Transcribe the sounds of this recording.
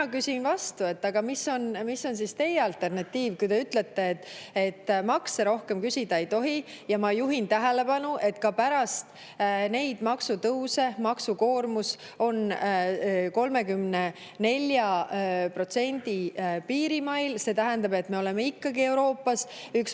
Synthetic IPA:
kysinvɑst̪ue̞t̪ːɑɡ̥ɑmisːo̞nmisːo̞ns̬ist̪e̞jeɑlt̪ːˑe̞rnɑt̪ːˑiːvkujt̪e̞yt̪le̞t̪ːe̞ːt̪ːˑe̞t̪ːˑmɑkseɾo̞hke̞mkysʲid̪ɑe̞jt̪o̞ɦijɑmɑjuɦint̪æɦe̞le̞pɑnuʔe̞t̪kɑpæɾɑst̪ | ne̞jd̪̥mɑksut̪ɤwse̞mɑksuko̞ːrmus | o̞n | ko̞lme̞kymne̞ | ne̞lʲjɑpro̞t̪se̞nʲd̪̥ipiːɾimɑjlse̞t̪æɦend̪ɑbe̞t̪ːˑme̞o̞le̞me̞ikːɑɡie̞wɾo̞ːpːɑs | yks

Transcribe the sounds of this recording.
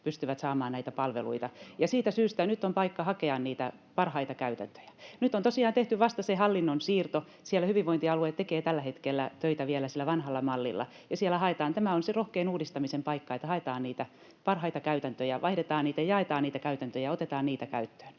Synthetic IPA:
pyst̪yʋæt̪sɑːmɑːnnæit̪æpɑlʋḛlṵit̪ɑjɑsiːt̪æsyːst̪ænyt̪ːompɑikːɑhɑkeɑnniːt̪æpɑrhɑit̪ɑkæyt̪æ̰nt̪ø̥jæ̥nyt̪ːˑont̪osiɑːnt̪eht̪yʋɑst̪ɑsehɑlːinːonsiːrt̪o | sielːæhyʋiʋʋoint̪iɑluet̪ekeːt̪ælːæhet̪kelːæt̪øit̪æʋielæsilːæʋɑnhɑlːɑmɑlːḭlːɑ̰ | jɑsielːˑæhɑet̪ɑːnt̪æmæonserohkeːnuːdist̪ɑmisempɑikːɑet̪ːæhɑet̪ɑːnniːt̪æ | pɑrhɑit̪ɑkæyt̪ænt̪øjæʋʔɑihdet̪ɑːnniːt̪æjɑet̪ɑːnniːt̪ækæyt̪ænt̪øjɑot̪et̪ɑːnniːt̪ækæyt̪ːø̥ːn

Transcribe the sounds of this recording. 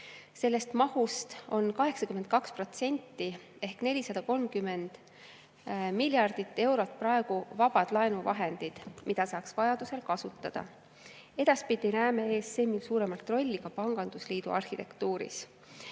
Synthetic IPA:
se̞lːe̞st̪mɑhust̪o̞nkɑɦe̞ksɑkyme̞nt̪̚kɑkspro̞t̪se̞nʲt̪ˑːi | e̞hkne̞lʲisɑd̪ɑko̞lmkymːe̞nd̪̥ | milʲjɑrd̪̥it̪ːe̞wɾo̞t̪ːˑpɾɑe̞ɡ̥uvɑb̥ɑd̪̥lɑenuvɑ̰ɦe̞nd̪̥id̪̥mid̪̥ɑsɑːksvɑjɑd̪̥use̞lkɑsut̪ˑːɑd̪̥ɑ̰ | e̞d̪̥ɑspid̪̥ʲinæːmee̞ːsse̞ːmilsuːɾe̞mɑlt̪ːˑro̞lʲːikɑpɑŋɡ̥ɑnd̪̥usliːd̪̥ṵɑ̰rhit̪e̞̰kt̪uːɾḭs

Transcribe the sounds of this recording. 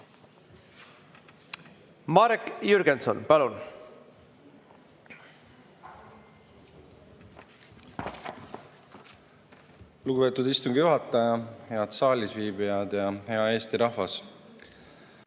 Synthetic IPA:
mɑɾekjyɾɡenso̰npɑlun | luɡube̞ːt̪ud̪̥ist̪uŋɡ̥ijuɦɑt̪ːˑɑjɑhe̞ɑd̪sɑːlʲisviːbijɑd̪̥jɑhe̞ɑe̞ːst̪iɾɑhvɑs

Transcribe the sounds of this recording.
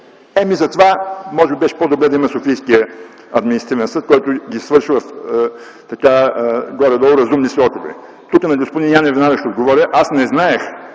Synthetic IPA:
ɛmizɐt̪vamɔʒɛbibɛʃɛ̥pɔd̪obɾɛd̪ɐimɐsofijskijə | ɐd̪minisɐt̪ivɛnsɤt̪̚kɔjt̪ʊɡʲisvɤɾʃivɐf | t̪ɐkaɡɔɾɛd̪ɔlˠʊɾɐzumnislɔk̪ovɛ̰ | t̪ukɐnɐɡospod̪ʲinʲanɛvinad̪əʃɛod̪ɡovɔɾʲəʔasnɛznaɛx

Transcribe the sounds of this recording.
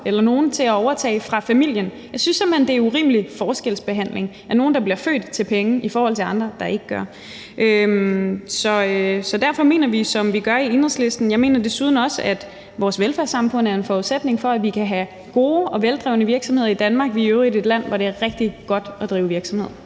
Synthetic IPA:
elɐno̝ːn̩t͡sʰe̝læɒʊɐt͡sʰɛ̰ːɪfʁɑ̈fæmil̰jənjɑ̈ɪsynsem̥end̥e̝æɐuʁḭːmlifɒːsɡ̥el̰sb̥e̝ɦæn̰le̝ŋ | æɐno̝ːn̩d̥ɑ̈b̥liɐfø̰ːd̥t͡sʰe̝lpʰeŋəʔifɒːhɒ̽l̰t͡sʰe̝ɑ̈nd̥ʁɐd̥ɑ̈ʔe̝ɡ̥əɡ̥ɶɐ | ʔømsɒ̽sɒ̽d̥æɐ̰fɒ̽me̝̰ːnɐʋisɒ̽mʋiɡ̥ɶɐie̝nʁɐsle̝sd̥n̩jɑ̈ɪme̝̰ːnɐd̥e̝suːð̞ˠn̩ɒ̽səæd̥ | ʋɒːsʋelfæɐsɑ̈mfɔ̽n̰æɐe̝nfɒːuðˠsed̥ne̝ŋfɒ̽æʋikʰæɦæ | ɡ̥o̝ːɒ̽ʋeld̥ʁɛʊnəʋiɐɡ̥sɒmhe̝ð̰ˠɐid̥ænmɑ̈ːɡ̥ʋiøʊide̝d̥læn̰ʋɒɾ̥e̝æɐʁɛɡ̥̚d̥iɡ̥ɒ̽d̥ɒ̽d̥ʁiːʊʋiɐɡ̥sɒ̽me̝ð̰ˠɐ

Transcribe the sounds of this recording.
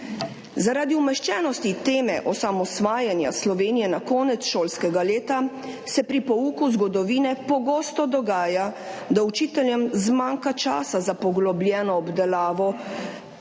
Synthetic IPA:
zaɾaːd̪iumɛʃt͡ʃɛːnɔst̪it̪eːmɛʔɔsamɔsʋaːjanja̰slɔʋeːnijɛnakɔːnɛt̪sʃoːlskɛɡaleːt̪a | sɛpɾipɔuːkuzɡɔd̪ɔʋiːnɛpɔɡoːst̪ɔd̪ɔɡaːja | d̪aut͡ʃiːt̪ɛljɛmzmaːŋkat͡ʃaːsazapɔɡlɔblʲjɛːnɔːbd̪ɛlaːʋɔ

